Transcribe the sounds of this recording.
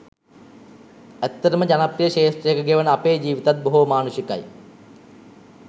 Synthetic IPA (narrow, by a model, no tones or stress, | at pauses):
et̪ːɐɾɐməd͡ʑɐnɐprijɐɕeːʂʈrejɐkɐɡeʋɐnɐpeːd͡ʑiːʋit̪ɐt̪̚boɦuʋɐmaːnuɕjɐkːɐ̰j